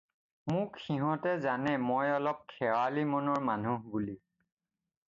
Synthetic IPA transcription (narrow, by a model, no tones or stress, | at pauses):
mʊkxiɦɔ̃tɛzanɛmojɔlɔp̚kʰɛwalimɔnɔɹmanuɦbuli